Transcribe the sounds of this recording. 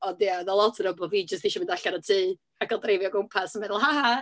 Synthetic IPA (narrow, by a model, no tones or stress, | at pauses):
ɔdjaðalˠɔtʰəɾəbɔvid͡ʒəstiʃɔmɪndaɬaɾətʰiː | akʰɔlˠdrejvjɔɡʊmpʰasənmɛðʊlˠhaha